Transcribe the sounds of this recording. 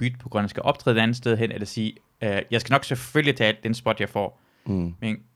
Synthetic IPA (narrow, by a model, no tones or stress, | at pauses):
b̥yd̥̚pʰɒ̽ɡ̥ʁɶnsɡ̥æʔɒ̽b̥̚t͡sʰʁɛ̰ðˠdeænð̩ˠsd̥eð̞ˠɦen̰elɐsiː | øjɑ̈ɪsɡænɒ̽ɡ̥seføllit͡sʰɛ̰ːld̥ensb̥ɒ̽d̥jɑ̈ɪfɒ̰ː | men